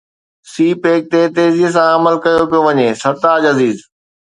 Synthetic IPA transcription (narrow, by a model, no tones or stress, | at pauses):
siːpeːk̚t̪eːt̪eːzis̬ãɐməlkɐjopijoʋɐɲeːsɐɾt̪aːd͡ʑɐziːz